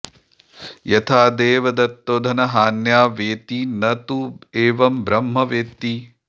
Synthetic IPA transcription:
jɐt̪ʰaːd̪eːʋɐd̪ɐt̪ːoːd̪ʱɐnɐɦaːnjaːʋeːt̪inɐt̪ueːʋɐmbɾɐmɦɐʋeːt̪i

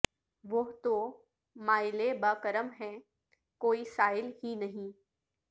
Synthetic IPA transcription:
ʋʊɦt̪o | maːɪlebaːkəɾəmɦɛ̃ | koːisaːɪlɦinɐɦĩː

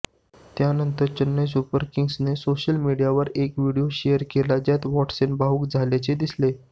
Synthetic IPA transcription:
t̪janənt̪əɾt͡ɕənːes̬upəɾkiŋɡsnesoɕəlmiɽijaʋəɾekʋiɽijoɕejəɾkelad͡ʑjat̪ʋɔʈsenbauːkd͡zʱaljat͡ɕed̪isle

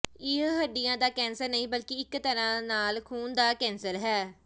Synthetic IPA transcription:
ɪɦəɖɪjãːd̪aːkɛːnsəɾnəĩːbəlkɪɪkt̪əɾãːnaːlkʰuːnd̪aːkɛ̃ːnsəɾɦɛː

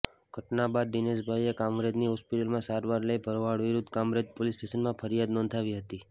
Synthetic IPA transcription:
ɡ̥ʱəʈnabad̪̚ːineʃbʱajekãmɾed̪niɦɔspɪʈəlmãsaɾʋaɾləjbʱəɾoʋaɽʋiɾʊd̪ʱkamɾed͡ʒ̪polisʈeʃənmãfʰəɾijad̪nɔ̃ːnd̪ʰʱaʋiɦət̪i

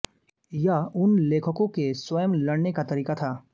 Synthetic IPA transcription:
jɐɦʊnleːkʰəkõkeswɐjəmlɐɽnekat̪ɐɾiːkat̪ʰaː

